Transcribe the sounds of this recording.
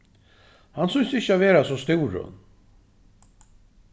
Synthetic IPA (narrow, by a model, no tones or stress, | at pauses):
hansʏnsɪçːəaveːɾasɔst̪ɪwɾʊ̰n